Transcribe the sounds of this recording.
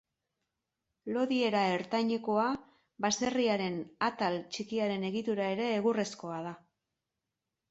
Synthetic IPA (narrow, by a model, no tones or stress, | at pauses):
lo̞ðie̞ɾae̞ɾt̪aɲeko̞a | βase̞riaɾe̞nat̪alt͡ʃikiaɾe̞ne̞ɣit̪uɾae̞ɾe̞ːɣure̞sko̞að̞a